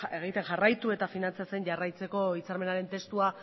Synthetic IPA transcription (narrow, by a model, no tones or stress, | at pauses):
e̞ɣ̞it̪e̞nʝarajt̪ue̞t̪afinant͡sat͡se̞nʝarajt͡se̞ko̞it͡saɾme̞naɾe̞nt̪e̞st̪ua